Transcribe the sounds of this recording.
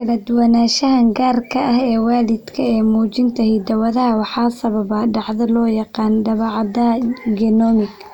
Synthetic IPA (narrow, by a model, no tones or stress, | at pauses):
kʰɐlɐd̪ʊwɐnaːʃɐɦɐŋɡaːrkʰɐʔɐɦɛːwaːlɪd̪kʰɐɛːmuːt͡ʃɪnt̪ʰɐhid̪ɐwɐðɐɦɐwɑħɑːsɐβɐβɐɖɑʕðɐlɔːjɑqɑːnɖɐβɑːʕɑd̪ɐɡɛnɔːmɪɡ